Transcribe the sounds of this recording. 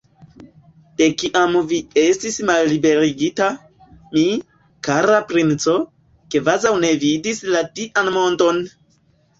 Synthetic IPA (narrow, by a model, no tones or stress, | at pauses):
d̥e̞kiʔamvie̞stismalːibe̞ɾiɡita | mi | kaɾapɾint͡so̞ | kevazawne̞vidislatiʔanmo̞nto̞n